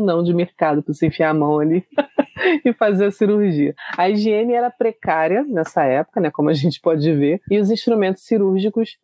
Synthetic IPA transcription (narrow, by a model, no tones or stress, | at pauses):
nɐ̃w̃d͡ʒɪmeɾkad̪ʊpsẽfiamɐ̃w̃ali | ɪfazeɾɐsiɾuɾʒiɐɐiʒiẽnɪɛɾɐpɾekaɾiɐnɛsɐɛpʊ̥kɐnɛkõmʊaʒẽnt͡ʃɪ̥pɔd͡ʒɪveɪʊzĩʃt̪ɾumẽnt̪ʊ̥siɾuɾʒikʊs